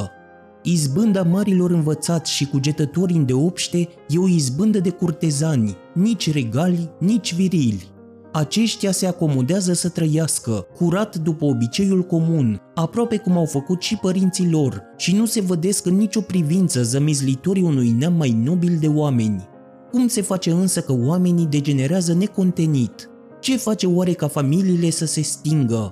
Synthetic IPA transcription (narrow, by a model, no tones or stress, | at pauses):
izbɨnd̪amaɾilo̞ɾɨnvət̪sat̪sʲʃikud͡ʒe̞t̪ət̪o̞ɾind̪e̞o̞pʃt̪e̞ | je̞oizbɨnd̪əd̪e̞kurt̪e̞zanʲ | nit͡ʃʲreɡalʲnit͡ʃʲviɾilʲ | at͡ʃe̞ʃt̪jase̞ako̞mo̞d̪eazəsət̪ɾəjaskəkuɾat̪d̪upəobit͡ʃe̞julko̞munapɾoape̞kumawfəkut̪ʃipəɾint̪silo̞r | ʃinuse̞vəd̪e̞skɨnːit͡ʃʲo̞pɾivint̪səzəmizlit̪o̞ɾiunujnamːajno̞bild̪e̞oame̞nʲ | kumse̞fat͡ʃe̞ɨnsəkəoame̞nid̪e̞d͡ʒe̞ne̞ɾeazəne̞ko̞nt̪e̞nit̪ | t͡ʃe̞fat͡ʃe̞owaɾe̞kafamiliːle̞səse̞st̪iŋɡə